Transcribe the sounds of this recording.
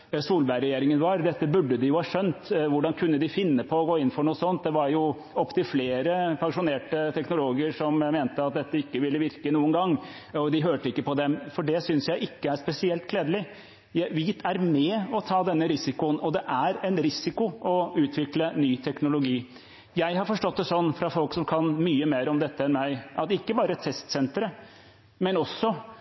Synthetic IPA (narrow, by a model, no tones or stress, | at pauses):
suːlbæɾɛjeːɾɪŋənʋɑɾd̪ɛt̪ːəbʉɖːəd̪ɪjʊhɑːʂœnt̪ʋʊɖɑnkʰʉnːəd̪ɪfɪnːəpʰɔɔɡoːɪnːfɔɳuːəsɔnt̪̚d̪ɛʋɑɾjʊ | ɔpːt̪ʰɪfleːɾəpʰɑŋʂʊneːʈət̪ʰɛknʊloːɡəʂɔmmeːnt̪əɑt̪̚d̪ɛt̪ːəɪkːəʋɪlːəʋɪɾkənuːənɡɑŋː | ɔd̪ɪɦøːʈəɪkːəpɔd̪ɛmfɔɖɛsʏnsjæɪʔɪkːəæʂpɛsɪɛlt̪̚kʰleːd̪əlɪ | jæɪʋɪt̪ʰæɾmɛɔt̪ʰɑːd̪ɛnːəɾɪsɪkʊənɔd̪ɛʔæɾɛɪnɾɪsɪkʊʔɔʉːt̪ʰʋɪklənyːt̪ʰɛknʊlʊɡiː | jæɪɦɑɾfɔʂʈɔt̪̚d̪ɛsɔnːfɾɑfɔlksɔmkʰɑnmyːəmeːɾɔmd̪ɛt̪ːəɛnmæɪʔɑt̪ɪkːəbɑːɾət̪ʰɛst̪sɛnt̪ɾə | mɛnɔsːɔ